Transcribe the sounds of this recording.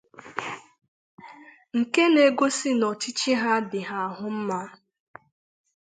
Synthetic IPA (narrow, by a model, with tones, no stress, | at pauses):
ŋ̩˨ke˦ne˨ɡo˦si˦nɔ˨t͡ʃi˦t͡ʃi˦ɦa˦dɪ˨ɦa˦a˨ɦʊ˦m̩˦ma˦